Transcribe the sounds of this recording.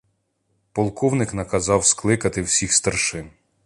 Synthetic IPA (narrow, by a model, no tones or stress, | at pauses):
pɔlˠkɔwnɪknɐkɐzɑwsklˠɪkɐt̪ɪwsʲixst̪ɐrʃɪn